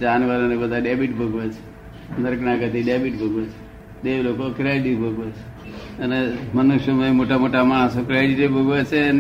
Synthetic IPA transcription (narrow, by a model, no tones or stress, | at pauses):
d͡ʒanʋəɾonebəd̪ʱaɖebiʈbʱəɡʋet͡ʃʰe̥ | nəɾknaɡət̪iɖebiʈbʱəɡʋet͡ʃʰe̥ | d̪eʋlokokɾeɖibʱəɡʋet͡ʃʰe̥ | ənemənuʃjomaimoʈamoʈamaɽ̃sokɾeɖiʈibʱəɡʋet͡ʃʰen